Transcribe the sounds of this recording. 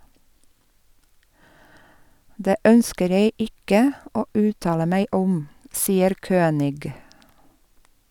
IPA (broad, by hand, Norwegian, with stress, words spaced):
ˈdeː ˈœnskəɾ ˈjeɪ ˈɪkə ˈoː ˈʉːtɑːlə ˈmæɪ ˈʊm ˈsiːəɾ ˈkøːnɪɡ